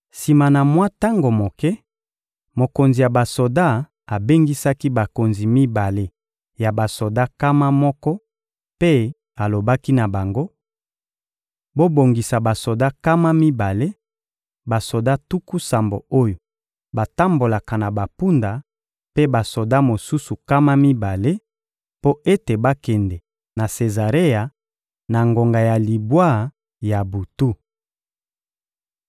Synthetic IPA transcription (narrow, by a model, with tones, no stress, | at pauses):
si˨ma˨na˨mwa˦ta˦ŋɡo˨mo˨kɛ˦ | mo˨ko˨nzi˨ja˨ba˨so˨da˦˨ | a˨be˦ŋɡi˦sa˦ki˦ba˨ko˨nzi˨mi˦ba˨le˦ | ja˨ba˨so˨da˦ka˦ma˦mɔ˦kɔ˦ | pe˦ | a˨lo˨ba˦ki˦na˨ba˨ŋɡo˦ | bo˦bo˨ŋɡi˨sa˨ba˨so˨da˦ka˦ma˦mi˦ba˨le˦ | ba˨so˨da˦tu˦ku˦sa˨mbo̰˨o˦jo˨ | ba˨ta˦mbo˨la˨ka˨na˨ba˨pu˦nda˨ | pe˦ba˨so˨da˦mo˨su˦su˨ka˦ma˦mi˦ba˨le˦ | po˦e˦te˨ba˦kɛ˨ndɛ˨ | na˨se˨za˨ʁe˦ja˨ | na˨ŋɡo˨ŋɡa˨ja˨li˨bwa˦ | ja˨bu˨tu˦